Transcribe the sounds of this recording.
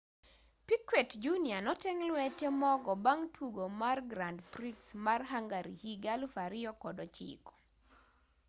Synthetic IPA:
pikwetd͡ʒunianɔtɛŋlwɛtjemɔɡɔbaŋtʰwuɡomarɡɾandpɾiksmarɦaŋɡaɾḭhiɡalfaɾɪjɔkɔdɔt͡ʃḭkɔ̥

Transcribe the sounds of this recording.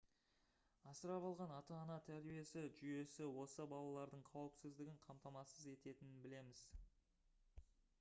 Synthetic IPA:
ɑsəɾɑbɑlˠʁɑnɑt̪ɑːnɑt̪ʰæɾbije̞sɪʒʏje̞sɪwo̞səbɑlˠɑlˠɑɾd̪əɴqʰɑwəpsɪzd̪ɪɡʲɪɴqʰɑmt̪ɑmɑsəze̞t̪e̞t̪ɪnɪnbɪle̞mɪz̥

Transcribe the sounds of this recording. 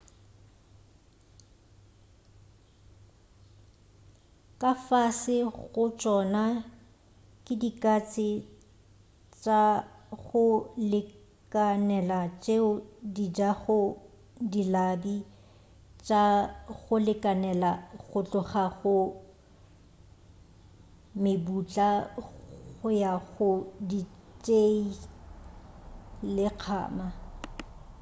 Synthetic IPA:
kʼafasɪɣʊt͡ʃʼɔna | kʼɪdikʼat͡sʼɪ | t͡ʃʼaɣʊlɪ | kʼanɛlat͡ʃʼeʊdid͡ʒaɣʊ | dilabi | t͡ʃʼaɣʊlɪkʼanɛlaɣʊt͡ɬʼʊχaɣʊ | mɪbut͡ɬʼa | ɣʊjaɣʊdit͡ʃʼei | lɪq͡χʰa̰ːma

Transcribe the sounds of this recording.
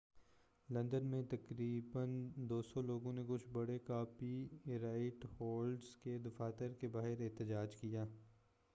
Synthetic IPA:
lɐ̃nd̪ənmẽt̪ɐkɾiːbənd̪oːsɔloːɡõnekʊt͡ʃʰbɐɽekaːpiɾaːɪʈhoːlɖsked̪ʊfaːt̪əɾkebaːɦɪɾɪɦt̪əd͡ʒaːd͡ʒkijaː

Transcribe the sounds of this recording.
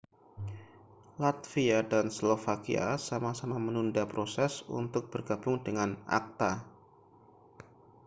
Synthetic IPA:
lat̪fiadanslofakḭa̰samasamamənundapɾosɛsṵnt̪ʊk̚b̥ərɡabʊŋdəŋana̰k̚t̪a

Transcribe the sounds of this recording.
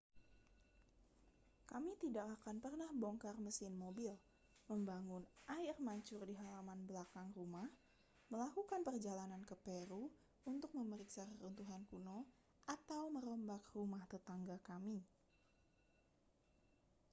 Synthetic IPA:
kamit̪idakakanpərnahbɔŋkarməsɪnmobil | məmbaŋʊnʔaɪrmaɲt͡ʃʊrdiɦalamanbəlakaŋrumah | məlakukanpərd͡ʒalanankəpeɾu | unt̪ʊk̚məməɾiksakəɾunt̪uɦankuno | ʔat̪awməɾɔmbakrumaht̪ət̪aŋɡakami

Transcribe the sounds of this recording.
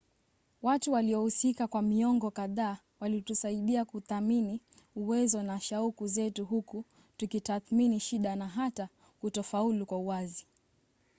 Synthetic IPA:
watuwaliɔhusikakwamiɔŋɡɔkaðaː | walitusaiɗiakuθamini | uwɛzɔnaʃaukuzɛtuɦuku | tukitaθminiʃiɗanaɦata | kutɔfaulukwauwazi

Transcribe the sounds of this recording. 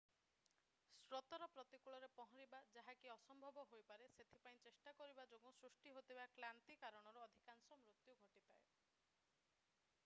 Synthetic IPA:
sɾot̪ɔɾɔpɾɔt̪ikuɭɔɾepɔɦɔ̃ɾibad͡ʒaɦakiɔsɔmbʱɔbɔɦojpaɾeset̪ʰipaĩt͡ʃesʈakɔɾibad͡ʒoɡusɾusʈiɦot̪ibaklant̪ikaɾɔɽ̃ɔɾuɔd̪ʱikansɔmɾut̪juɡʱoʈit̪ae

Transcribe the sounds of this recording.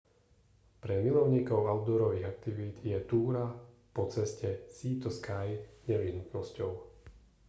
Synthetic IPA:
pɾɛmilɔʊɲiːkɔʊaʊd̪ɔɾɔʋiɣak̚t̪iʋid̪jɛt̪uːɾa | pɔt͡sɛscɛsiːt̪ɔskajɲɛʋiɦnut̪nɔscɔʊ

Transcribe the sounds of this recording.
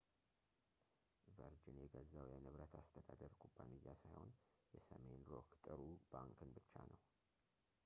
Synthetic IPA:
vəɾd͡ʒɪnjɛɡəzːəwjɛnɨβɾət̪ʰast̪ʰəd̪ad̪əɾkʰʼubːanɨjːasajho̞̰n | jɛsəme̞nɾokt̪ʼɨɾub̥aŋkʰɨnbɨt͡ʃːanəw

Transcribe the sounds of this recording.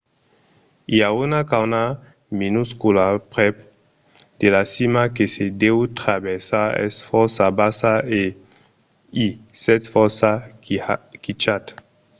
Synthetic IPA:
iaunakawna | minuskulapʁɛp | d̪̥elasimakesed̪ewt̪ɾabɛsaɛ̰sfɔsabasae | isɛtfɔsa | kit͡ʃat̪

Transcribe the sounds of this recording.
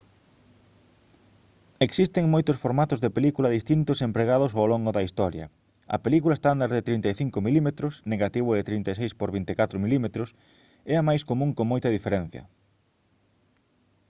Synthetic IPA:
eksist̪ɪŋmojt̪ʊsfoɾmat̪ʊzðepelikulɐðist̪int̪ʊsempɾeɣaðʊsowloŋɡʊðɐist̪ɔɾjɐ̰ | ɐ̰pelikulaɐest̪and̪aɾðɪt̪ɾint̪ajθiŋkomilimet̪ɾʊsneɣat̪iβʊðet̪ɾint̪asejspoɾβint̪ɪkat̪ɾʊmilimet̪ɾʊs | ɛɐmajskomũŋkoŋmojt̪ɐðifeɾɛ̃n̟θjɐ̰

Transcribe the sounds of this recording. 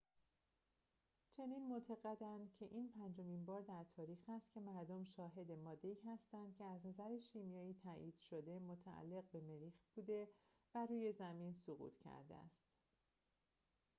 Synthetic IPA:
t͡ʃʰe̞niːnmot̪ʰæɣæd̪ænd̪cʰe̞ʔiːnpʰænd͡ʒo̞minbɒːɾd̪æɾt̪ʰɒːɾiːxhæst̪̚cʲʰe̞mæɾd̪omʃɒːɦe̞d̪e̞mɒːd̪ːe̞iːhæst̪ænd̪̥̚cʰe̞æznæzæɾeʃiːmjɒːiːt̪ʰæʔiːd̪̥ʃo̞d̪e̞mot̪ʰæʔæ̰lːe̞ɣbe̞me̞ɾiːxb̥uːd̪e̞ | væɾuːje̞zæminsoɣṵːt̪ʰcʰæ̰ɾd̪ḛæ̰st̪

